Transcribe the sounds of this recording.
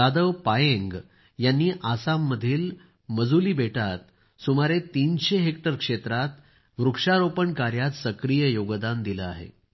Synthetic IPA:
ad̪əʋpajẽŋɡ | janːiːʔasamːəd̪ʱiːl | məd͡zuliːbʱeʈat̪ | sumaɾet̪inɕeɦek̚ʈəɾkʂet̪ɾat̪ | ʋɾukʂaɾopəɳkaɾjat̪səkɾijəjoɡd̪and̪iləa̰ɦḛ

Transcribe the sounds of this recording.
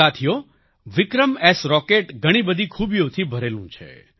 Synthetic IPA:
at̪ʰijo | ʋɪkɾəmesɾɔkeʈɡʱəɽ̃ibəd̪ʱikʰubijot̪ʰibʱəɾelṵ̃t͡ʃʰḛ

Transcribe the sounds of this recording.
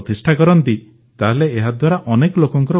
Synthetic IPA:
t̪isʈʰakɔɾɔnt̪i | t̪aɦeleeɦad̪waɾaʔɔnekɔlokɔŋkɔɾɔ

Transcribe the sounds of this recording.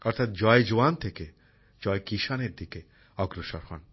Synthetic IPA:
ɔɾt̪ʰat̪̚d͡ʑɔed͡ʑoant̪ʰeke | d͡ʑɔekiʃaneɾd̪ike | ɔɡɾoʃɔ̰ɾhɔ̰n

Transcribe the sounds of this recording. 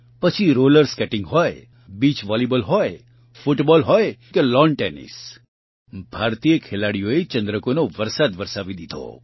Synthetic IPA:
pət͡ʃʰiɾoləɾskɛʈɪ̃ŋɡɦɔj | bit͡ʃʋalibəlɦɔj | fʊʈbɔlɦɔjkelɔnʈenḭs | bʱaɾt̪ijəkʰelaɽijoet͡ʃə̃nd̪ɾəkonoʋəɾsad̪ʋəɾsaʋid̪id̪ʱo̰

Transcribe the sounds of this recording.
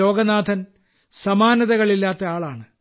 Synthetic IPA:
o̞ːɡɐnaːd̪ʱɐn | sɐmaːnɐðɐɣɐɭilːaːt̪ːɐaːɭaːɳɨ

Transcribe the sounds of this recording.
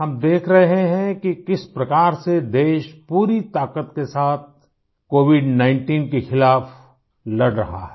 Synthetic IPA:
ɦɐmd̪eːkʰɾɐɦɦeɦɛ̃kikɪspɾɐkaːɾsed̪eːʃpuːɾit̪aːkət̪kesaːt̪̚ʰ | koːʋɪɖnãɪ̃ɳʈiːnkexɪlaːf | lɐɽɾɐ̰ɦa̰ɦɛ

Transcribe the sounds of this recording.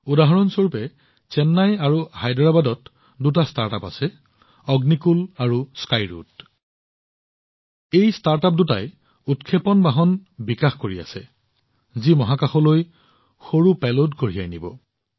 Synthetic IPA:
udaɦɔɹɔnsoɹupɛ | t͡ʃɛnːajaɹuhajdɹabadɔt | dut̬astaɹtapa̰sɛ | ɔɡnikulaɹuskajɹṵt | ejstaɹtap̚duta̰j | utkʰepɔnbaɦɔnbikaxkoɹia̰sɛ | zimɔɦakaxɔloj | xoɹupɛlodkoɹija̰jnibɔ̰

